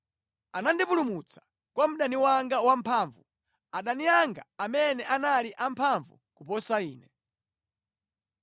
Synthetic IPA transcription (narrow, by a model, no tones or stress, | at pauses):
anandipulumut͡sʰḁ | kwam̩ɗaniwaŋɡawampʰaːɱvu | aɗaniaŋɡa̰amɛnɛʔanaliʔampʰaɱvṵkupɔsaiːnɛ